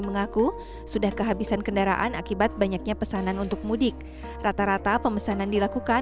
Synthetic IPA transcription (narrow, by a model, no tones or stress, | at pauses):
məŋaku | sudahkəɦabisankəndaɾa̰ʔa̰nakibat̪̚baɲak̚ɲapəsananunt̪ʊk̚mudɪk̚ | rat̪aɾat̪apəməsanandilakuka